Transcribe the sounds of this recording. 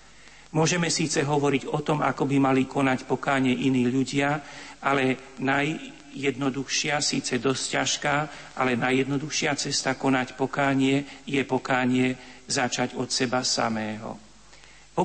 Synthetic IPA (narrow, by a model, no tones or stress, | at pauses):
mʊɔʒɛmɛsiːt͡sɛɦɔʋɔɾiɟɔt̪ɔma̰kɔbimalikɔnacpɔkaːɲɪɛʔiniːʎuɟɪaalɛnajː | ɛd̪nɔd̪uxʃɪasiːt͡sɛd̪ɔscaʃkaːʔalɛnajːɛd̪nɔd̪uxʃɪat͡sɛst̪akɔnacpɔkaːɲɪɛjɛpɔkaːɲɪɛzat͡ʃaɟɔt̪sɛbasa̰mɛːɦɔ̰ | pɔ